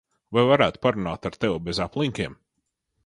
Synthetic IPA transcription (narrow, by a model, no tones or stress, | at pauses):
vajvaɾæːt̪paɾunaːt̪aɾt̪ɛwubɛzaplˠiŋkʲiɛm